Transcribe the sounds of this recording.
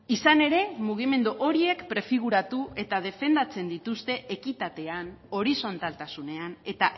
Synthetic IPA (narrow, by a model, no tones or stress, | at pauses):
isane̞ɾe̞muɣ̞ime̞nd̪uʔo̞ɾie̞kpɾe̞fiɣ̞uɾat̪ue̞t̪að̞e̞fe̞nd̪at͡se̞nd̪it̪ust̪e̞ʔekit̪at̪e̞an | o̞ɾiso̞nt̪alt̪asune̞ane̞t̪a